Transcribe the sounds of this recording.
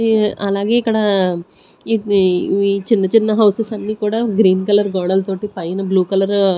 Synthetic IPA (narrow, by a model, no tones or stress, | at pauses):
ɐlaːɡe̞ːikːɐɽɐ | i | it͡ʃinːɐt͡ʃinːɐɦɐwsesɐnːiːkuːɽaːɡɾiːnkɐlɐɾɡɔːɽɐlt̪o̞ːʈipɐjɐnɐbluːkɐlɐɾ